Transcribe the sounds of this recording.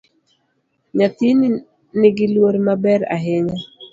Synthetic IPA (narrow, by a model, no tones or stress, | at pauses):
ɲat̪in | nɪɡɪlwoɾmabɛɾa̰ɦɪɲa